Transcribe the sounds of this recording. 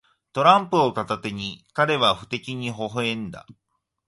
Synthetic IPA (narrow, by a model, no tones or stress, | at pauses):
t̪o̞ɾãmpɯ̟ot̪at̪at̪e̞ɲ̟ikaɾe̞βaɸɯ̟̥t̪e̞kʲiɲ̟iɦo̞ɦɯẽ̞nd̪a̰